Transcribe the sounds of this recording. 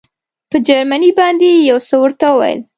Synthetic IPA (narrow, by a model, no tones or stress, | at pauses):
pəd͡ʒaɾmanibɑnd̪ejawsəwəɾt̪awəwa̰jə̰l